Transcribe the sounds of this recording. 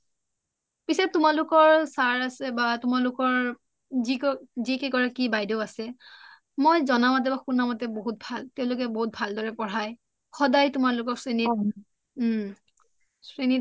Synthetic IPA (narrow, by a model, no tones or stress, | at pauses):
pisɛp̚tʊmalʊkɔɹsaɹasɛbatʊmalʊkɔɹ | zikɔzikɛkɔɹakibajdɔasɛ | mojzɔnamat̬ɛbakunamat̬ɛboɦut̚bʱaltɛʊ̃lʊkɛboɦut̚bʱaldɔɹɛpɔɹaj | xɔdajtʊmalʊkɔk̚sɹeni | sɹeni